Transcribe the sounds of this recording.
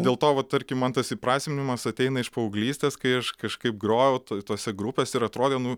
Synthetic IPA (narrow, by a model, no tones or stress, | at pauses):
dʲeːlˠt̪oːʋɐt̚t̪ɐɾʲkʲɪmɐnt̪ɐsipɾɑːsʲmʲenʲɪmɐsɐt̪ʲɛɪnɐɪʃpɐʊɡlʲiːsʲt̪ʲeːskɐɪɐʃkɐʃkɐɪp̚ɡɾoːjɛʊt̪t̪oːsʲɛɡɾʊpʲeːsʲɛɪɾɐt̪ɾoːd̪ʲeːnʊ